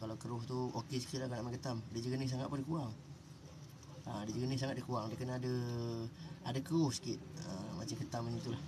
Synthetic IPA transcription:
kalakəɾʊɦt̪uokesə̥kit̪̚lahkanaʔmakət̪amdid͡ʒəɡənɪhs̬aŋat̪̚pʊndikuaŋ | ədid͡ʒəɡənɪhsaŋat̪̚dikuaŋdəkənaadə | adakəɾʊhsə̥kɪt̪̚əmat͡ʃakət̪aməɲit̪ulah

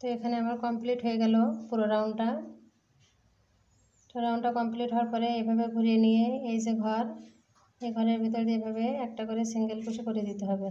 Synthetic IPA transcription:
t̪oekʰaneamaɾkɔmpliʈɦojeɡɛlopuɾoɾawɳɖʈa | puoɾawɳɖʈakɔmpliʈɦoaɾpɔɾeejbʱabeɡʱuɾienijeejzeɡʱɔɾ | ejɡʱɔɾeɾbʱit̪ɔɾd̪iabʱabeɛk̚ʈakoɾesiŋɡelpuʈʰikoɾied̪it̪eɦɔbe

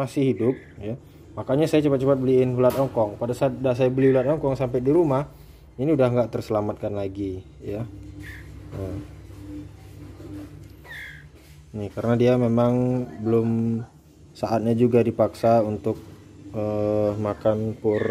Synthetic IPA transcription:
masɪhidʊp̚ja | makaɲasajat͡ʃəpat̚t͡ʃəpat̪̚bəliɪnɦulat̪ɔŋkɔŋpadasaːt̪̚dasajabəlihulat̪ɔŋkɔŋsampɛdiɾumah | iniudahŋɡaʔt̪ərsəlamat̪̚kanlaɡi | ja | ə | nikaɾənadiamemaŋbəlʊm | saʔat̪̚ɲad͡ʒuɡadipaksaunt̪ʊk̚ | əmakanpʊr

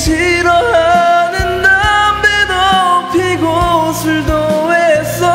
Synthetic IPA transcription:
ɕʰiɾʌɦanɯnːambedopʰiɡosʰɯɭd̪owesʌ

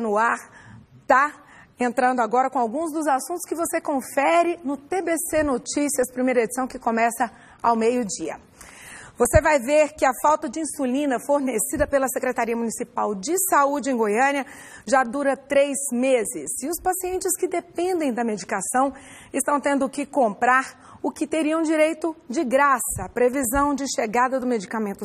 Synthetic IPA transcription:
nʊaɾt̪a | ẽnt̪ɾɐ̃nd̪ʊaɡɔɾɐkõawɡũzd̪ʊzasũt̪ʊ̥skɪvosekõfɛɾɪnʊt̪ebesenot͡ʃisiɐspɾimejɾɐed͡ʒisɐ̃w̃kɪkõmɛsɐ | awmejʊd͡ʒiɐ̰ | vosevajveɾkɪɐfawt̪ɐd͡ʒɪĩsulĩnɐfoɾnesid̪ɐpelɐsekɾet̪aɾiɐmunisipawd͡ʒɪsaud͡ʒɪẽj̃ɡojɐ̃niɐ | ʒad̪uɾɐt̪ɾejzmezɪsɪʊspasiẽnt͡ʃɪskɪd̪epẽnd̪ẽj̃d̪ɐmed͡ʒikasɐ̃w̃ | ɪst̪ɐ̃w̃t̪ẽnd̪ʊkɪkõmpɾaɾ | ʊkɪt̪eɾiɐ̃w̃d͡ʒiɾejt̪ʊd͡ʒɪɡɾasɐːpɾevizɐ̃w̃d͡ʒɪʃeɡad̪ɐd̪ʊmed͡ʒikamẽnt̪ʊ

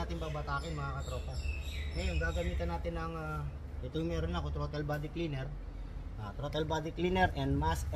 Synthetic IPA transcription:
aːt̪ɪnpabɐt̪aːkɪnmɐŋakɐt̪ɾoːt̪ɛlŋɐjoŋɡaːɡɐmiːt̪ɐnaːt̪ɪnːɐŋa | ɪt̪omɛɾonɐkot̪ɾot̪ɛlbad̪ɪklinɛɾ | ʔaːt̪ɾot̪ɛlbad̪ɪklinɛɾʔɛnd̪mas

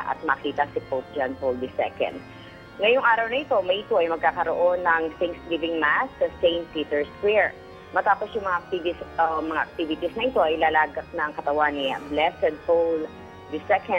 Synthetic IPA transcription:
ʔɐ̰t̪̚mɐkiːt̪ɐsɪpop̚d͡ʒɐnpold̪ɪsɛ̰kɐ̰nd̪ | ŋɐjʊŋʔaːɾɐwnɐʔɪt̪o̞mɐjʔɪt̪oʔɐjmɐɡ̚kaːkɐɾoʔonːɐŋsɪŋkslivɪŋmasːɐsejnt̪ːit̪ɛɹskwiɹ | mɐt̪aːposjʊŋmɐŋaɐk̚t̪ivɪsmɐŋaʔɐk̚t̪ivɪt̪isnɐʔɪt̪o̞ʔɐjlaːlaːɡɐk̚nɐŋkɐt̪ɐwaniblɛsɛd̪̚fowl | d̪ɪsɛkɐ

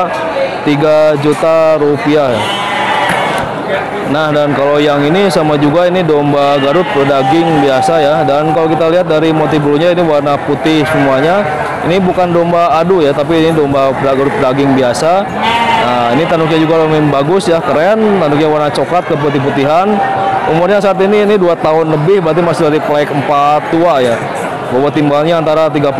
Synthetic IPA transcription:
t̪iɡad͡ʒut̪aɾupiahja | nahdankalojaŋinisamad͡ʒuɡainidombaɡaɾʊt̪̚pərdaɡɪŋbiasajadankalowk̬it̪aliɦat̪̚daɾimot̪ibuluɲainiwarnaput̪ɪhsəmuaɲa | inibukandombaːdujat̪ap̬inidombapdaɡaɾʊt̪̚pədaɡɪŋbiasa | nəinit̪anʊk̚ɲad͡ʒuɡalomimbaɡʊsjakəɾɛnt̪anduk̚ɲawarnat͡ʃokat̪̚kəp̬ut̪ɪhput̪iɦanumʊrɲasaːt̪̬iniːniduat̪aɦʊnləbɪhbəɾat̪̬imasɪhdaɾiplaɪkəmpat̪ːuaja | bawat̪imbalɲaːnt̪aɾat̪̬iɡap

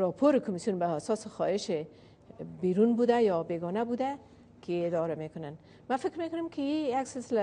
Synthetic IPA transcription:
ɾɒpʰoɾɪkʊmisjunbaːsɔsɪxɔɪʃɪ | biɾunbud̪ajɒbeɡɔnabud̪a | kʰɪied̪ɔɾamekʊnan | mafɪkɾmekʊnʊmkʰɪijaksɪlsɪla

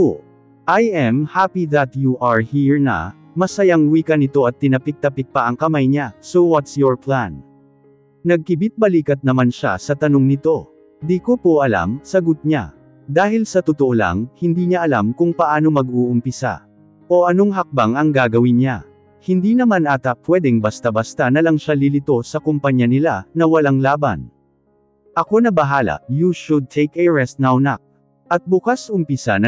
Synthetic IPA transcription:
ʔajʔɛmhapiðɐt̪juʔaɹhiɹnɐ̰ | mɐsɐjɐŋwiːkɐnɪt̪o̞ʔɐt̪ːɪnɐpɪk̚t̪ɐpɪk̚pɐʔɐŋkɐmajɲasowɐt̪sjoɹplan | nɐɡ̚kɪbɪt̪̚bɐliːkɐt̪̚nɐmanʃa̰sɐt̪ɐno̞ŋnɪt̪o̞ | d̪iːkopoʔɐla̰msɐɡʊt̪̚ɲa̰ | d̪aːhɪlsɐt̪ʊt̪oʔola̰ŋhɪnd̪iːɲaʔɐlamkʊŋpɐʔaːno̞mɐɡuʔʊmpɪsa̰ | ʔo̞ʔɐno̞ŋɦɐk̚baŋɐŋɡaːɡɐwɪnɲa | hɪnd̪inɐmanʔat̪ɐpwɛd̪ɛŋbɐst̪abɐst̪anɐlɐŋʃalɪlɪt̪o̞sɐkʊmpɐɲjanɪlanɐwɐlaŋlaːbɐ̰n | ʔɐko̞nɐbɐɦaːlɐ̰juʃʊd̪̚t̪ʰɛjkɛɹɛst̪̚nawnɐk̚ | ʔɐt̪̚bʊkasʔʊmpɪsan

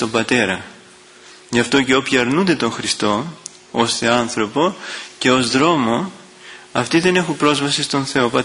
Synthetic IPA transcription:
st̪o̞mbɐt̪e̞ɾɐ | ʝɐft̪o̞ce̞o̞pçiɐɾnund̪e̞t̪o̞ŋxɾist̪o̞ | osθe̞ɐnθɾo̞po̞ce̞o̞zðɾo̞mo̞ | ɐft̪iðe̞ne̞xumpɾo̞zvɐsist̪o̞nθe̞opɐ

